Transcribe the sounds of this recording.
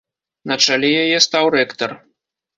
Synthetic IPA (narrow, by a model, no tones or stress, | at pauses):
nɐt͡ʂalʲɛjajɛst̪awrɛkt̪ɐr